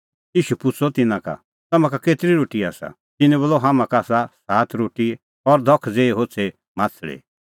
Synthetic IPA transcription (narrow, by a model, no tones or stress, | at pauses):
jiːʃupʊt͡sʰɔt̪ɪnãka̰ | t̪ɐmãkakeːt̪ɾiɾoːʈia̰ːsa̰ | t̪ɪnɛ̃boːlɔɦaːmãkaːsasaːt̪ʰɾoːʈi | ɔɾd̪ʱɔkʰːd͡zeːeɦoːt͡sʰe | mãːt͡sʰɭḛː